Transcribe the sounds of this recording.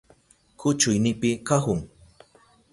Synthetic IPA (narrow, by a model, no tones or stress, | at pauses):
kʊt͡ʃʊjnɪpɪkaxʊŋ